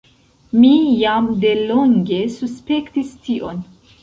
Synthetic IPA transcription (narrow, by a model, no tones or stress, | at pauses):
mijamde̞lo̞ŋɡe̞suspe̞ktistiʔo̞n